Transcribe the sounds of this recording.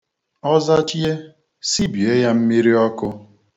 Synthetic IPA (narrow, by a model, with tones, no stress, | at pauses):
ɔ˦za˦t͡ʃi˦e˦ | si˦bi˨e˦ja˦m̩˦mi˦ɾi˦ɔ˦kʊ˦